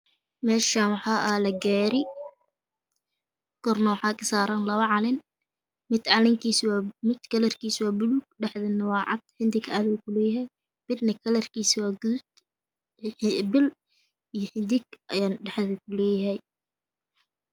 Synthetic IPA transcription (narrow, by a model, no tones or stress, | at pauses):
mɛːʃaːnwɑħɑːʔɐlɐɡaːɾɪ | kʰɔrnɔwħɑːkʰɐsaːɾɐnlɐβɐʕɑlɪn | mɪd̪ʕɑlɪŋkʰiːswmɪd̪kʰɐlɐrkiːswɑːbʊluːɡ̚ɖɛħðɪnɐwɑːʕɑ̰d̪̥ħɪnd̪ɪɡaːðkʰʊlɛːjɐɦɛj | b̥ɪd̪nɐkʰɐlɐrkiːswɑːɡud̪ | bɪl | ijɞħɪnd̪ɪɡ̚ʔɐjaːnɖɛħðɐkʰʊlɛːjɐɦɛj